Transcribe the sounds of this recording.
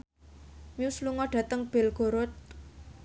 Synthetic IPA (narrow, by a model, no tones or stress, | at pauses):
miusluŋɔɖ̥ä̤t̪əŋb̥e̤lɡ̥o̤ɾʊt̪̚